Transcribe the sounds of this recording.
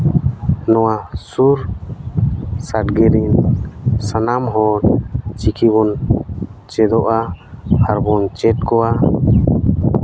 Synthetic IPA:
nɔwasuɾ | saʈɡɛɾinsanamɦɔɾt͡ʃikʰiβɔn | t͡ʃɛd̪ɔʔaaɾbɔnt͡ʃɛtkɔa

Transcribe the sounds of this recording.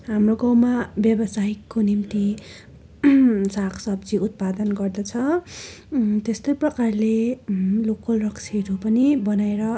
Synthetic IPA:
ɦamroɡʌ̃wmabjʌbʌsaikːonimt̪i | sakʰsʌbd͡ziut̪̚pad̪ʌnɡʌrd̪ʌt͡sʰʌ | t̪est̪ojprʌkarlelokʌlrʌksʰeɾopʌnibʌnaeɾʌ

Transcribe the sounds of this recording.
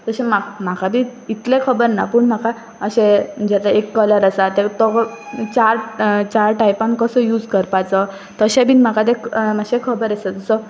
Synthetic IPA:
t̪əɕemam̤akʰabiːit̪lekʰəbəɾna̰pəɳm̤aka | əɕẽd͡ʑet̪aekːələɾəsat̪et̪ɔt͡ɕaɾt͡ɕaɾʈajpãŋkəsəjuːd͡zkəɾpat͡sə | t̪əɕẽbʱinm̤akat̪ekmaɕẽkʰəbəɾesət̪əsə

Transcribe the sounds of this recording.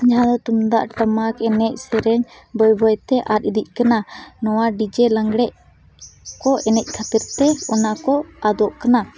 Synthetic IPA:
d͡ʒaɦãd̪ɔt̪umd̪aʔʈəmakɛnɛc̚ˀsɛɾɛɲ | bɔjbɔjt̪ɛʔat̪̚ˀid̪ic̚ˀkananɔwaɖid͡ʒɛlaŋɡɽɛʔ | kɔɛnɛc̚ˀkʰat̪iɾt̪ɛɔnakɔad̪ɔʔkana

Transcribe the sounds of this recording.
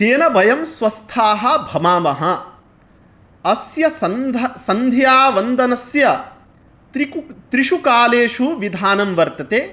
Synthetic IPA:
t͡ʃeːnɐbɐjɐmsʋɐst̪ʰaːɦɐ̆bʱɐmaːmɐɦɐ̆ | ɐsjɐsɐnd̪ɐsɐnd̪ʱjaːʋɐnd̪ɐnɐsjɐ | t̪ɾit̪ɾiʃukaːleːʂuʋid̪ʱaːnɐmʋɐɾt̪ɐt̪eː

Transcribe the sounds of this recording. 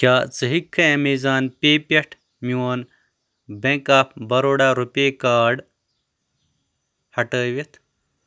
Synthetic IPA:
kʲaːt͡sɨɦikʰːɐemezaːnpeːpʲeʈʰ | miwoːn | bẽŋkaːpʰbɐɾoːɽaːɾupʲeːkaːɖ | hɐʈəːʋet̪ʰ

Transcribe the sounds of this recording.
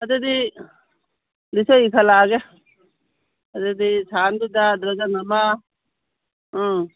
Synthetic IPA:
əd̪ed̪iː | d̪ɪsoikʰəlaːɡe | əd̪ed̪iːsʰaːnbɪd̪aːd̪ɾəd͡ʒaːnəmãː | ɦãː

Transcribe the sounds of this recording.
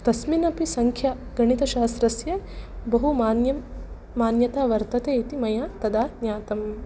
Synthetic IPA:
t̪ɐsminɐpisɐŋkʰjaɡɐɳit̪ɐʃaːst̪ɾɐsjɐbɐɦumanjɐmː | aːnjɐt̪aːʋɐɾt̪ɐt̪eːit̪imɐjaːt̪ɐd̪aːnjaːt̪ɐm

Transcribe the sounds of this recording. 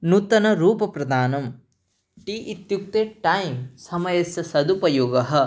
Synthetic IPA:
nut̪ɐnɐɾuːpɐpɾɐd̪aːnɐm | ʈiʔit̪juk̚t̪eːʈɐjmsɐmɐjɐsjɐsɐd̪upɐjoːɡɐɦɐ̆

